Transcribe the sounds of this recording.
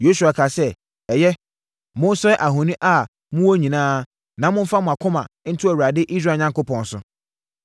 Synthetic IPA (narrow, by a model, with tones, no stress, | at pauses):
jo˦s̬u˨a˨kʰa˨sɛ˦ | ɛ˨jɛ˦ | mʊ̃˦n̩˦sʊ˦ɛ˦ʔa˨ɦʊ̃˨nĩ˦ʔa˦ | mʊ̃˦wɔ˦ɲĩ˨nãː˦ | nã˨mʊ̃˦m̩˦fa˦mʊ̃˨a˨kʰʊ̃˦mã˨n̩˦tʰʊ˦æ˨wa˨dɪ˦ʔi˦s̬ɾaː˦˨ɲã˦ŋko˦pʰɔ̃˨n˨sʊ̰˨